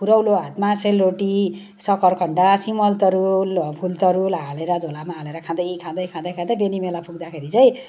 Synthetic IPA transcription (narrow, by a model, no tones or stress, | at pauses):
pʰuɾʌwloɦat̪maselroʈi | sʌkʌrkʰʌɳɖasimʌlt̪ʌɾulpʰult̪ʌɾulɦaleɾʌd͡z̪ʱolamaɦaleɾʌkʰãd̪ʌjikʰãd̪ʌjkʰãd̪ʌjkʰãd̪ʌbenimelapʰuɡ̚d̪akʰeɾit͡sʌj̃